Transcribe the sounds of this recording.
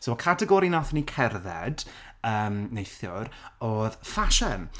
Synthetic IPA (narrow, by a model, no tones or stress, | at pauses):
sowkʰatʰɛɡɔɾinaθnikʰɛrðɛ̰d | əːmnejθjʊrɔːðfaʃən